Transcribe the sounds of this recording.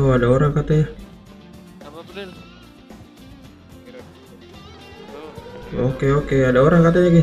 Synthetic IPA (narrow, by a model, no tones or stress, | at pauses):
oadaoɾaŋkat̪eja | o̰keokeadaoɾaŋkat̪ejaɡe